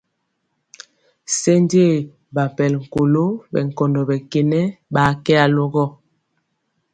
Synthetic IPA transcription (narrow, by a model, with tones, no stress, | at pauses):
se˦nde˦˨ | ba˨m˨pɛ˨lŋ̩˨ko˨lo˦bɛ̰˨ŋ˨kɔ˨ndɔ˨bɛ˨ke˨nɛ˦ba˨˦kɛ˦a˨lo˦ɡɔ˦